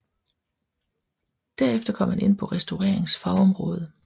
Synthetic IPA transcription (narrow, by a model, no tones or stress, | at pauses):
d̥æɐ̰efd̥ɐkʰɒ̽m̰hæne̝n̰pʰɒ̽ʁɛsd̥oʊʁɛɐ̰e̝ŋsfɑ̈ʊɒ̽mʁɔ̽ːð̞ˠə